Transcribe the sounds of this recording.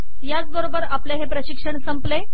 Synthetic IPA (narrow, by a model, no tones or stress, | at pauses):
jat͡sbəɾobəɾapleɦepɾəɕikʂəɳsəmple